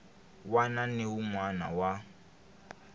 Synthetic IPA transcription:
wananeumwana̰wa

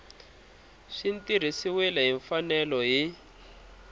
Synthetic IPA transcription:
ʂintiɾ̤isiwɛlɛɦiɱfanɛlɔɦi

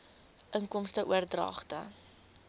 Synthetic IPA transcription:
ʔəŋkɔmstəʔuərdrɑ̰ːχtə̰

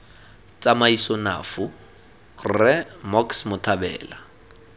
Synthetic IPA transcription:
t͡sʼamaisɔna̰ːfʊ | rɛmɔksmʊtʰabɛ̰ːla

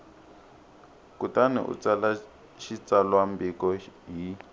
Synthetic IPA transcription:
kutanḭʔṵt͡sala | ʃit͡salwambikɔɦi

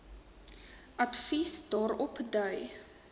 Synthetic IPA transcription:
ʔɐtfisdɑːɾɔpdœɥ

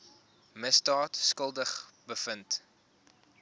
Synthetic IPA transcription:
məsdɑːtskəlˠdəχbəfənt

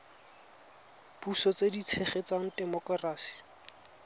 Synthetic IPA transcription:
b̥usɔt͡sedit͡sʰɛχet͡saŋ̩dɛmɔkraːsi̥

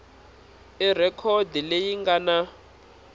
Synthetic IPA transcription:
irɛkʰɔdilejiŋɡana

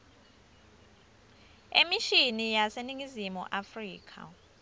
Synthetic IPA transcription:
ḛmiʃinijaseniŋizimṵʔafriːkʰa̰

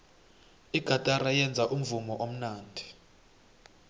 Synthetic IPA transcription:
iɡ̥ʱatʼarajɛnd͡zʱaʔum̩vumɔʔom̩naːndʱi

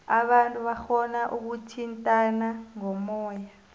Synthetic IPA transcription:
aɓantʼuɓaxɔnaʔuk̬utʰintʼanaŋɔmɔːja

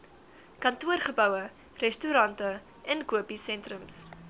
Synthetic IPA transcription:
kɐntuərχəbœwə | rɛstuɾɐntə | ʔɛnkuəpisɛntrəms

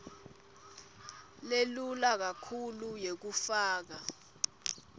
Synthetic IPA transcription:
lelulak̬akʰulujek̬ufaːk̬a

